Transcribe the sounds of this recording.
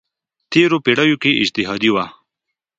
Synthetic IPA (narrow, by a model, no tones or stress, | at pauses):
t̪eɾopeɽajokeʔɪ̰d͡ʒt̪ɪɦɑd̪iwa